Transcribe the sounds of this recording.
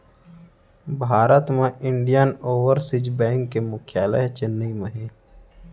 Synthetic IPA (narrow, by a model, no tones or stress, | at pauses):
bʱaːɾət̪mẽʔɪɳɖijənoːʋəɾsɪd͡ʒbɛ̃ːŋkːemʊkʰjaːləɦt͡ʃɪnːəiməɦiː